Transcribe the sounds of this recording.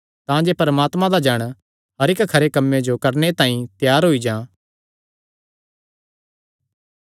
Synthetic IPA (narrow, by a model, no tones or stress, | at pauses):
t̪ãd͡ʒeːpɐɾəmaːt̪mãd̪ad͡ʒəɽ̃ | ɦɐɾɪkkʰɐɾekɐmːẽd͡ʒokɐɾnet̪ãːĩt̪jaːɾɦoid͡ʒãː